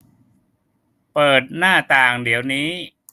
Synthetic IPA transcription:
pɤː˨˩t̪̚naː˥˩t̪aː˨˩ŋdi˩˦əwniː˦˥

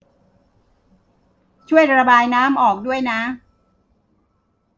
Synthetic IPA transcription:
t͡ɕʰu˥˩əjɾa˧baː˧jnaː˦˥mʔɔː˨˩k̚du˥˩əjna˦˥

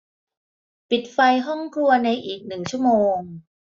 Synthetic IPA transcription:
pi˨˩t̪̚fa˧jɦɔ˥˩ŋkʰlu˧ɐna˧jʔiː˨˩k̚nɯ˨˩ŋt͡ɕʰu˥˩ə˩moː˧ŋ

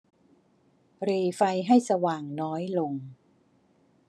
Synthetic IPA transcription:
ɾiː˧˩fa˧jɦa˥˩jsa˧waː˨˩ŋnɔː˦˥jlo˧ŋ

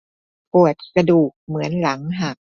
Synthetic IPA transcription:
pu˨˩ət̪̚sa˧duː˨˩k̚mɯ˩˦ənla˩˦ŋɦa˨˩k̚

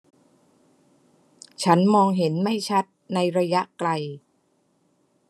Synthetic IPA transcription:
t͡ɕʰa˦˥nmɔː˧ŋɦe˩˦nma˥˩jt͡ɕʰa˦˥t̪̚na˧jɾa˧ja˦˥ʔkla˧j

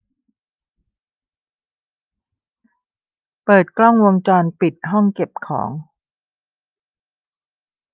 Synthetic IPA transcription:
pɤː˨˩t̪̚klɔ˥˩ŋwo˧ŋt͡ɕɔː˧npi˨˩t̪̚ɦɔ˥˩ŋke˨˩p̚kʰɔ̰ː˩˦ŋ

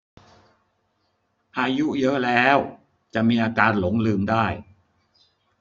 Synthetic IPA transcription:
ʔaː˧ju˦˥jɤ˦˥ʔlɛː˦˥w | t͡ɕa˨˩ʔmiː˧ʔaː˧kaː˧nlo˩˦ŋlɯː˧mdaː˥˩j

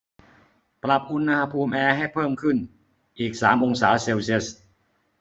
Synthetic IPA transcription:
pɾa˨˩p̚ʔu˧nːa˧ha˧pʰuː˧mʔɛː˧ɦa˥˩jpʰɤː˥˩mkʰɯ˥˩n | ʔiː˨˩k̚saː˩˦mʔo˧ŋsaː˩˦˥se˧wsi˥˧˩ə˩s

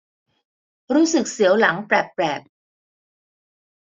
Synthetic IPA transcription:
ɾuː˦˥sɯ˨˩k̚si˩˦əwla˩˦ŋpɾɛ˨˩pːɾɛː˨˩p̚

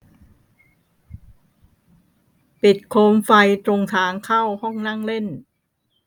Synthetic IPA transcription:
pi˨˩t̪̚kʰoː˧mfa˧jt̪ɾo˧ŋt̪ʰaː˦ŋkʰa˥˩whɔ˥˩ŋna˥˩ŋle˥˩n

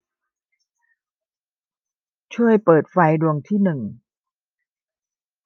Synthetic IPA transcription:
t͡ɕʰu˥˩əjpɤː˨˩t̪̚fa˧jdu˧əŋt̪ʰiː˥˩nɯ˨˩ŋ

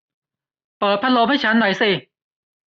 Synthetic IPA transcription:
pɤː˨˩t̪̚pʰa˧˥lo˧m̚ha˥˩jt͡ɕʰa˦˥nːɔ˨˩˦jsi˧˩

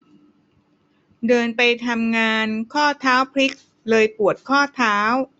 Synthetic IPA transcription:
dɤː˧npa˧jt̪ʰa˧mŋaː˧nkʰɔː˥˩t̪ʰaː˦˥wpʰɾi˦˥k̚ | lɤː˧jpu˨˩ət̪̚kʰɔː˥˩t̪ʰaː˦˥w

